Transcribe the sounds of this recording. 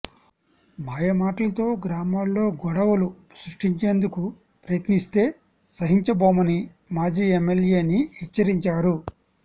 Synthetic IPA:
maːjɐmaːʈɐlɐt̪o̞ːɡɾaːmaːlːo̞ːɡɔɽɐwɐlu | sɾuʂʈiɲt͡ʃe̞ːnd̪uku | pɾɐjɐt̪nist̪e̞ː | sɐɦiɲt͡ʃɐboːmɐni | maːd͡ʒiːemːelje̞ːnihit͡ʃːɐɾiɲt͡ʃaːɾu

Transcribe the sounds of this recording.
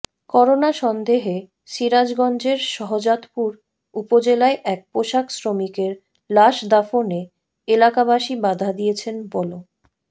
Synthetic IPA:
kɔɾonaʃɔnd̪eɦe | ʃiɾad͡ʑɡɔnd͡ʑeɾʃɔɦod͡ʑat̪puɾ | upod͡ʑelaeʔɛk̚poʃaksɾomikeɾ | laʃd̪afone | elakabaʃibad̪ʱad̪ijet͡ɕʰenbɔlo

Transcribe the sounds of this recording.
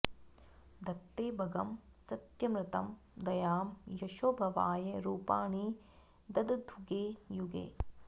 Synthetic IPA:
d̪ʱɐt̪ːeːbʱɐɡɐmsɐt̪jɐmɾɪt̪ɐm | d̪ɐjaːmjɐʃoːbʱɐʋaːjɐɾuːpaːɳi | d̪ɐd̪d̪ʱuɡeːjuɡḛː

